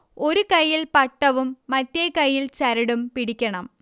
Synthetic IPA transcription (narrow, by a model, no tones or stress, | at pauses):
o̞ɾukɐjːilpɐʈːɐʋumːɐt̪ːekɐjːilt͡ɕɐɾɐɽumpiɽikʲːɐɳɐm